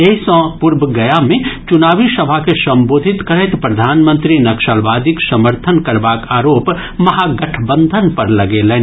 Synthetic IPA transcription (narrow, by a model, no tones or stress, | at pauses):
eisɔ̃pʊɾbʱəɡɐjamẽt͡ʃʊnaːʋisɐbʱakesɐ̃mboːd̪ʱɪt̪kɐɾɛt̪pɾɐd̪ʱaːnmə̃nt̪ɾinɐkʃalʋaːd̪ʱiksɐməɾt̪ʰənkɐɾbaːkaːɾoːp | mɐɦaɡɐʈʰbə̃nd̪ʱənpɐɾlɐɡelɛː